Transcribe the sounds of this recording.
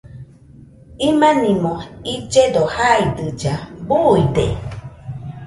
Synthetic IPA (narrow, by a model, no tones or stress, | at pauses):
imãnĩmõid͡ʒed̪ohaid̪ɨd͡ʒabuide